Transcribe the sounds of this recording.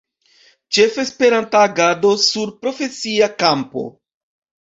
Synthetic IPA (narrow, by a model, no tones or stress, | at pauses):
t͡ʃe̞fe̞spe̞ɾantaːɡado̞suɾpɾo̞fe̞siakampo̞̰